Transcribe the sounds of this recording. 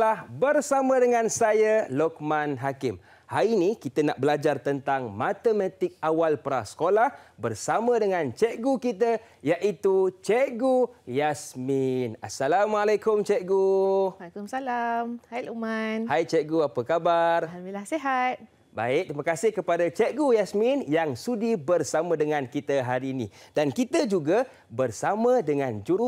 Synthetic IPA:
lahbərsamə̃dəŋãnsajalɔk̚manɦakɪm | hajinikit̪ənaʔbəlad͡ʒart̪ənt̪aŋmãt̪əmãt̪ɪk̚awalpəɾa̰hsə̥kolahbərsamə̃dəŋãnt͡ʃɛʔɡukit̪ə | jaʔit̪ut͡ʃɛɡujasminasalamalekʊmt͡ʃɛɡualkumsalamhajlumanhajt͡ʃɛɡuapəkabaramilahseɦat̪̚ | ba̰ɪk̚t̪ɾimãkasɪhkəpadat͡ʃɛʔɡujasminjaŋsudibərsamə̃dəŋãnkit̪əɦaɾiːnḭ̃dankit̪əd͡ʒuɡa | bərsamə̃dəŋãnd͡ʒuɾu

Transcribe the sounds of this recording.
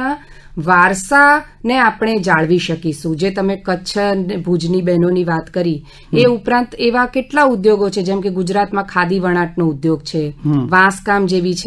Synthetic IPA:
ã | ʋaɾsa | neapɳ̃ed͡ʒaɭʋiʃəkiʃũd͡ʒet̪əmekətːʃʰəbʱud͡ʒnibɛɦnoniʋat̪kəɾi | eupɾãnt̪eʋakeʈlaʊd̪joɡot͡ʃʰed͡ʒɛmkeɡʊd͡ʒɾat̪mãkʰad̪iʋəɽ̃aʈnoʊd̪joɡt͡ʃʰeʋãskamd͡ʒeʋit͡ʃʰ

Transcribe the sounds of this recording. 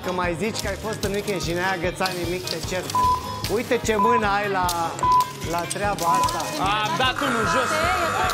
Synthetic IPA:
kəmajzit͡ʃʲkəajfo̞st̪ɨnmikenʃinajaɡət̪sat̪nimik̚t̪et͡ʃertu | ujt̪ət͡ʃemɨnəajla | lat̪ɾeabaajt̪aamd̪at̪unuʒos

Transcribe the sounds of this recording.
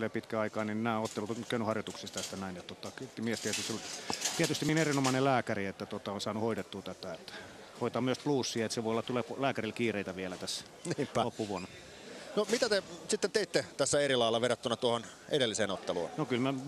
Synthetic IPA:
lepit̪kæɑikɑːnimnæːot̪ːelut̪okøˑynyhɑrjot̪uksist̪æst̪ænæinet̪t̪ot̪ːɑkt̪miɛst̪iæt̪yst̪olt̪iɛt̪yst̪iminerinomɑinelæːkæriet̪ːæt̪ot̪ɑonsɑːnuhoidet̪ːuːt̪æt̪æet̪ːæ̥ | hoit̪ɑmmyøspluːsːiet̪seʋoˑiolːɑt̪uleːplæːkæɾilkiːreit̪æʋiælæt̪æs | niːmpopːuʋuonɑ | nomit̪æt̪esit̪ːent̪eit̪ːet̪æsːæeɾilɑilːɑʋerɑt̪ːunɑt̪uohon | edelːiseːnot̪ːelṵːnnokylmæ

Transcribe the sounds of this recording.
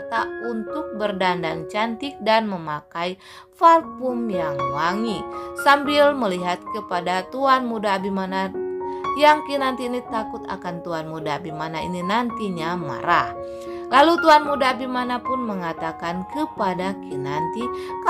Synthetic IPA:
t̪aunt̪ʊk̚bərdandaŋt͡ʃant̪ɪk̚danməmakaj | farkumjaŋmaŋisambiɪlməliɦat̪̚kəpadat̪uanmudabimana | jaŋkinant̪iːnit̪akʊt̪a̰kant̪uanmudabimanaḭninant̪iɲama̰ɾa̰h | lalut̪uanmudabimanapʊnməŋat̪akankəpadakinant̪ik

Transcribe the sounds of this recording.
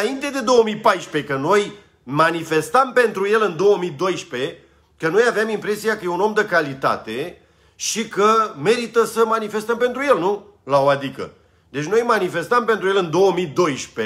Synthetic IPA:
aint̪e̞d̪e̞d̪o̞əmipajʃpe̞kəno̞j | manife̞st̪əmpe̞nt̪ɾuje̞lɨnd̪o̞wəmid̪o̞jʃpe̞ | kənojaveamimpɾe̞siakəjeuno̞md̪əkalit̪a̰t̪e̞ | ʃikəme̞ɾit̪əsəmanife̞st̪əmpe̞nt̪ɾuje̞lnu | laoad̪ikə̰ | d̪e̞t͡ʃno̞jmanife̞st̪əmpe̞nt̪ɾuje̞lɨnd̪o̞wəmid̪o̞jʃpe

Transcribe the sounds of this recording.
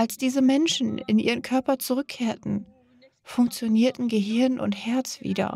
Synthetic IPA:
ʔalsd̥iːzəmɛnʃn̩ɪ̰nʔḭːʁənkʰœɐpɐt͡suʁ̞ʏkʰːeːɐtn̩ | fʊŋk̚t͡sjoniːɐtn̩ɡəɦɪɐnʔʊ̰nthɛɐt͡sv̥ḭːdɐ̰

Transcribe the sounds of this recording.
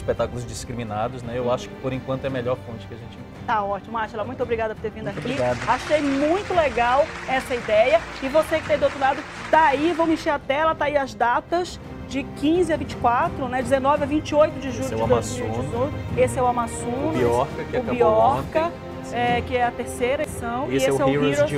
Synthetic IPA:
ɪspet̪akʊlʊzd͡ʒiskɾimĩnad̪ʊznɛewaʃʊ̥kɪ̥poɾẽkwɐ̃t̪ʊɛmeʎɔɾfõt͡ʃɪ̥kɪaʒẽt͡ʃɪ̃ | t̪aɔt͡ʃimʊaʃɛlɐmũj̃t̪obɾiɡad̪ɐpʊɾt̪eɾvĩdd̪aokbɾiɡad̪aʃʃejmũj̃t̪ʊleɡawɛsɐid̪ɛjɐɪvosekɪ̥t̪ẽd̪owt̪ɾʊlad̪ʊ | t̪aivõw̃mɪĩʃeɾɐt̪ɛlɐt̪aiɐzd̪at̪ɐz | d͡ʒɪkĩzɪɐvĩnt͡ʃɪ̥kwat̪ɾʊnɛd͡ʒɪzenɔvɪɐvĩt͡ʃɪojt̪ʊd͡ʒɪʒuʎʊd͡ʒɪd̪ozzmiiwizoesɪɛʊamasõniɔɾkɐkʊbiɔkɐ | ɛkɪɛɐt̪eɾsejɾɐesɐ̃w̃esɪɛiio

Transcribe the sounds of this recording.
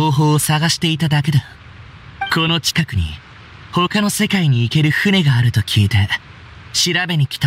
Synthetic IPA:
oːɦo̞ːsaɡaɕi̥t̪e̞it̪ad̪ake̞d̪o | ko̞no̞t͡ɕi̥kakɯ̟ɲ̟ḭ | ho̞kano̞se̞kaiɲ̟iːke̞ɾɯ̟hɯ̟ne̞ɡaːɾɯ̟t̪o̞kʲʰiːt̪e̞ | ɕiɾabe̞ɲ̟ikʲi̥t̪a

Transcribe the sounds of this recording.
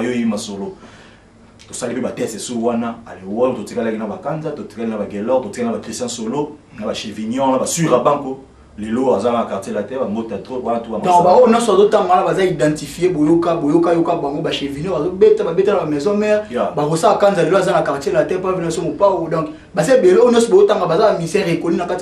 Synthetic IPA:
joimasolo | tosalipebatɛsesowanaalewɔtotikalakinabakanzatoti̥kalinabaɡelɔtotikanabakʁistɛ̃solo | nabaʃevinjɔwanabasuʁabaŋko | leloazaanakatelatɛbambotatʁonatuamadɔ̃baonjɔ̃soazotaŋɡwanabazaidãtifiebojokabojokajokabaŋɡobaʃevinɔazobetababetanabamɛzɔ̃mɛʁbakosaakanzaleloazanakaʁtelatɛppisomopawodɔ̃ŋk | basaebelɔ̃sɔbazotaŋɡabazabamisɛʁekolinakat

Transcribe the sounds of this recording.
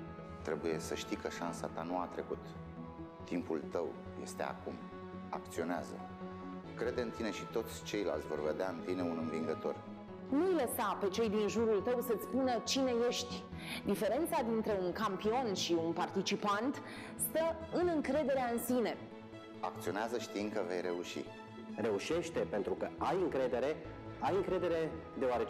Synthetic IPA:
t̪ɾe̞buje̞səʃt̪ikəʃansa̰t̪anuat̪ɾe̞kut̪ː | impult̪əw | je̞̰st̪e̞a̰kum | a̰k̚t̪sio̞nea̰zə̰ | kɾe̞d̪ɨnt̪ine̞ʃit̪o̞t̪sʲt͡ʃe̞jla̰lt̪sʲvo̞rve̞d̪eaɨnt̪ine̞unɨnviŋɡət̪o̞̰r | nujləsape̞t͡ʃe̞jd̪inʒuɾult̪əwsət̪sʲpunət͡ʃine̞je̞ʃt̪ʲ | d̪ife̞ɾe̞nt̪sad̪int̪ɾe̞uŋkampio̞nʃiunpart̪it͡ʃipant̪ | st̪əɨnɨŋkɾe̞d̪e̞ɾeaɨnsine̞ | a̰k̚t̪sio̞neazəʃt̪iɨnkəve̞̰jɾe̞uʃḭ | re̞uʃe̞ʃt̪e̞pe̞nt̪ɾukəajɨŋkɾe̞d̪e̞ɾe̞ | ajɨŋkɾe̞d̪e̞ɾe̞d̪e̞oaɾe̞t͡ʃ

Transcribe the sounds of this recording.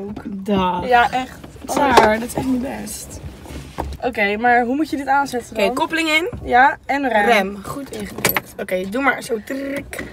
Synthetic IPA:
okdajaʔɛχtɔaɹdɔtɪ̥sɛχtnibɛst | ʔokejmaɹɦumutjədɪtaːnsɛtədkopəlɪŋɪnjaɛnrɛdɛmχutʰɪχədɪtokejədumaɹsoːtrɪk

